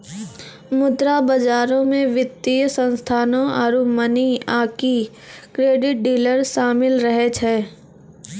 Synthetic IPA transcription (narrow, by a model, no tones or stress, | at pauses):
mʊd̪ɾabɐd͡ʒaːɾõmẽʋɪt̪ːijsə̃nst̪ʰaːnõaɾuməniaːki | kɾeːɖɪʈ̚ɖiːləɾʃaːmɪlɾəɦet͡ʃʰɛː